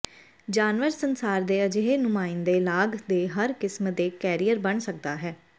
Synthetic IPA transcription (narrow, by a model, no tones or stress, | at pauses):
d͡ʒaːnʋəɾsənsaːɾd̪eːəd͡ʒeɦeːnʊmãːɪnd̪eːlaːɡd̪eːɦəɾkɪsmd̪eːkɛːɾijəɾbəɳsək̚d̪aːɦɛː